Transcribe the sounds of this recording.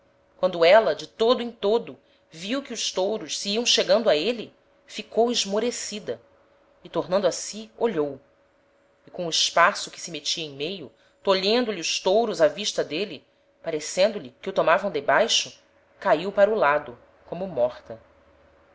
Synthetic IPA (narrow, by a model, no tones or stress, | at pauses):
kwɐ̃nd̪ʊɛlɐd͡ʒɪt̪od̪ʊẽt̪od̪ʊ | viwkɪʊʃt̪owɾʊʃsiiɐ̃w̃ʃeɡɐ̃nd̪ʊaelɪ | fikowɪʒmoɾesid̪ɐ | ɪt̪oɾnɐ̃nd̪asioʎow | ɪkõʊɪʃpasʊkɪ̥sɪmet͡ʃiɐẽj̃mejʊ | t̪oʎẽnd̪ʊliʊʃt̪owɾʊzaviʃt̪ɐd̪elɪ | paɾesẽnd̪ʊlɪkɪut̪omavɐ̃w̃d̪ebajʃʊ | kaiwpaɾulad̪ʊ | kõmʊmɔχt̪ɐ